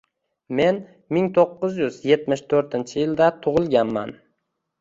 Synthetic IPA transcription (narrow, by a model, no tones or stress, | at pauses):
me̞n | mɪŋt̪ʰoqːʊzjʊzje̞t̪mɪʃt̪ʰɵɾt̪ʰɪnt͡ʃʰɪjɪld̪at̪ʰʊʁɨlˠɡʲanma̰n